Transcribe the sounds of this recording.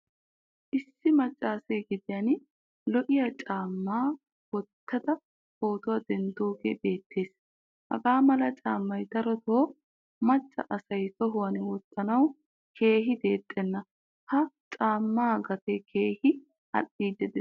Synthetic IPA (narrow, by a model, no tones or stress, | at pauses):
ʔɪsːɪmɐt͡ʃʼːaːsejɡɪd̪ɪjɐn | lɔʔɪjɐt͡ʃʼaːmːaː | wɔt̪ʰːɐd̪ɐ | koːt̪ʊwɐd̪ɛnd̪oːɡeːbe̞ːt̪ːe̞ːs | hɐ̰ɡaːmɐlɐt͡ʃʼaːmːɐjd̪ɐɾɔt̪oː | mɐt͡ʃʼːɐ̰ʔɐsɐjt̪ɔɦʊwɐnwɔt̪ːɐnɐw | kʰe̞ːɦɪd̪e̞ːt̪ʼːɛnːɐ | hɐ | t͡ʃʼaːmːaːɡɐt̪ɛkʰe̞ːhɪ | ɐ̰ɗːiːd̪ɛd̪ɛ